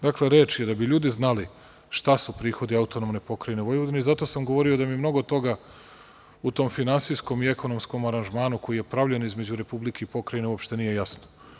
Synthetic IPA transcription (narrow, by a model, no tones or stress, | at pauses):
d̪akle̞ɾeːt͡ʃjed̪abiʎuːd̪iznali | ʃt̪asupɾiːxo̞d̪iaut̪o̞nomne̞po̞kɾajneʋo̞jʋod̪ineizat̪o̞samɡo̞ʋo̞ɾio̞d̪amimno̞ɡo̞t̪o̞ɡa | ut̪o̞ːmfinansijsko̞miekono̞msko̞maɾanʒmaːnuko̞jije̞pɾavʎenizme̞d͡ʑuɾe̞publike̞ipo̞kɾajine̞uopʃt̪e̞niːje̞jasno